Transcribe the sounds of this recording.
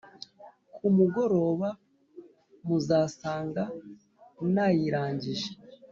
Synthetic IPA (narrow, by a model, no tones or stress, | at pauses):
kʰumuɡo̞ɾo̞ːβa | muzaːsaːŋɡa | najiɾaːɲɟiʒe